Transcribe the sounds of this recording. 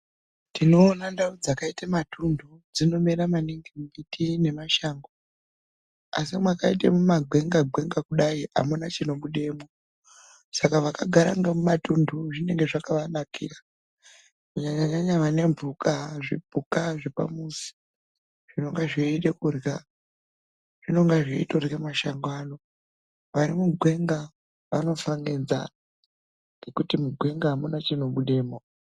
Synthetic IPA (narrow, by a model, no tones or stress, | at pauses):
tino̞ːnandaud͡zakaitamatʰundʱu | d͡zino̞meɾamaniŋɡimumitine̞maʃaːŋɡo | a̰simwakaitḛmumaɡʱe̞ŋɡaɡ͡bʱe̞ŋɡakuɗaia̰munat͡ʃino̞ɓuɗe̞mo | sakaʋakaɡʱaɾa̰ŋɡamumatunduʐine̞ŋɡe̞ʐakaʋanakʰḭːra | maɲaɲaɲaɲaʋane̞mvʱukaʐḛbʱukaʐepa̰musi̥ | ʐ̥ino̞ŋɡeʐeiɗekurɡa | ʐ̥ino̞ŋɡeʐeitorremaʃaŋɡano̞ | ʋaɾimuɡʱwe̞ŋɡa | ʋa̰no̞faŋɡend͡za̰ | ŋɡe̞kutimuɡʱwe̞ŋɡamunat͡ʃino̞ɓuɗe̞ːmo